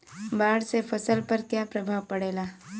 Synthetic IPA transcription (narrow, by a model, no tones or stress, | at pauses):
baːɽsefʰɐsəlpɐɾkjaːpɾɐbʱaːʋpɐɽeːlaː